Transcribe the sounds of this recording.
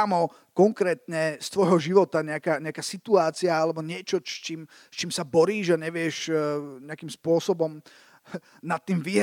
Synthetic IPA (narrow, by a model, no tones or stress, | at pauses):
amɔ | kɔŋkɾɛːt̪ɲɛst̪ʋɔjɦɔʒiʋɔt̪aɲɛakaːɲɛakaːsit̪uaːt͡siaalɛbɔɲɪɛt͡ʃɔt͡ʃiːm | st͡ʃiːmsabɔɾiːʒaɲɛʋɪɛʃɲɛakiːmspʊɔsɔbɔm | nat̪ːiːmʋiɦ